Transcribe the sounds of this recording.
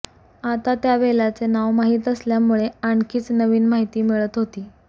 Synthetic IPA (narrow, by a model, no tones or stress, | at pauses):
at̪at̪jaʋelat͡senaʋmaɦiːt̪əsljamuɭeaɳkʰiːt͡snəʋiːnmaɦit̪iːmiɭət̪ɦot̪iː